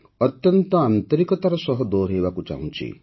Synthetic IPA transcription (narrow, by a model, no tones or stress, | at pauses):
ɔt̪jɔnt̪ɔant̪ɔɾikɔt̪aɾɔsɔɦɔd̪oɾɦebakut͡ʃa̰ɦũnt͡ʃʰḭ